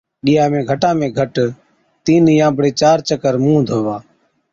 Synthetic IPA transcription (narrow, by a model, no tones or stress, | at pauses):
ɗijãːmẽːɡʱəʈãːmẽːɡʱəʈ | t̪iːnjãːbɽeːt͡ʃaːɾt͡ʃəkəɾmũːd̪ʱoːʋaː